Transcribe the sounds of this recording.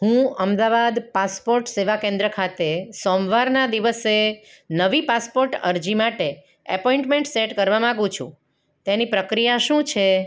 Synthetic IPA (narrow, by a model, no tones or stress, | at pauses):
ɦũəmd̪aʋad̪paspoɾʈseʋakẽnd̪ɾəkʰat̪esɔmʋaɾnad̪iʋəse | nəʋipaspoɾʈə̰ɾd͡ʒimaʈe | əpɔĩɳʈmẽɳʈseʈkəɾʋamãɡũt͡ʃʰṵ̃ | t̪enipɾəkɾijaʃũt͡ʃʰe